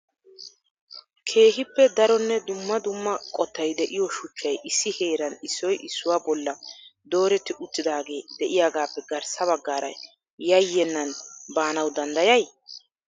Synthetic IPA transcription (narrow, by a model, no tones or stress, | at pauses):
kʰe̞ːɦɪpːɛd̪ɐɾɔnːɛd̪ʊmːɐd̪ʊmːɐkʼɔt̪ːɐjd̪ɛʔɪjɔʃʊt͡ʃːɐjʔɪsːɪhe̞ːɾɐnɪsːɔjʔɪsːʊwaːbɔlːɐd̪o̞ːɾɛt̪ːɪʔʊt̪ʼːɪd̪aːɡe̞ːd̪̥ɛʔɪjaːɡaːpːɛɡɐɾsɐβɐɡːaːɾɐ̰ | jɐjːɛnːɐnbaːnɐwd̪ɐnd̪ɐjɐj